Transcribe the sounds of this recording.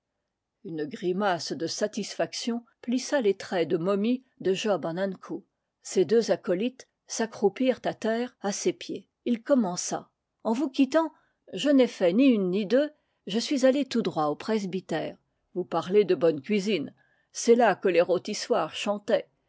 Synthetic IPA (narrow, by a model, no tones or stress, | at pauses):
ynɡʁimasd̪əsat̪isfaksjɔ̃plisalet̪χɛd̪əmɔmi | d̪əʒɔbɑ̃nankʰu | sed̪øzakɔlit̪ | sakχupiʁt̪at̪ɛːʁasepje | ilkɔmɑ̃sa̰ | ɑ̃vukʲit̪ɑ̃ | ʒənɛfɛniynːid̪ø | ʒəsɥizalet̪ud̪ʁwaopχɛzbit̪ɛːʁ | vupaʁled̪əbɔnkʲɥizin | sɛlakəleʁot̪iswaːʁʃɑ̃t̪ɛ